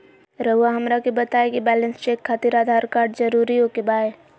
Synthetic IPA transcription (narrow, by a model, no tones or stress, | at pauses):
ɾəɦʊaɦɐmɾakebɐt̪aːekibɛːlə̃nst͡ʃeːkʰːat̪iɾaːd̪ʱaːɾkaːɾɖzɐɾuːɾiɦoːkebaːe